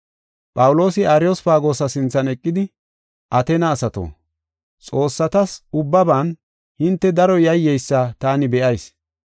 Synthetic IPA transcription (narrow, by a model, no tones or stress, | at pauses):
pʼɐwʊlo̞ːsɪaːɾɪjɔsfaːɡo̞ːsɐsɪnt͡sːɐnɛkʼːɪd̪ɪ | ʔɐt̪eːnɐːsɐt̪o̰ː | t͡sʼo̞ːsːɐt̪ɐsʊbːɐbaːn | hɪnt̪ːɛd̪ɐɾɔjɐjːɛjsːat̪aːnɪbɛʔɐjs